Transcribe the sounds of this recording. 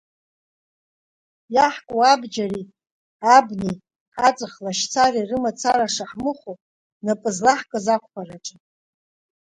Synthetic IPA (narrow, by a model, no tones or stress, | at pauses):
jaħkʷʼuabd͡ʒari | abnej | at͡sʼɨχlaʃt͡sʰarirɨmat͡sʰaraʂaħmɨχʷo | napʼɨzlaħkʼɨzakʷʰpʷʰaraʈ͡ʂʼɨ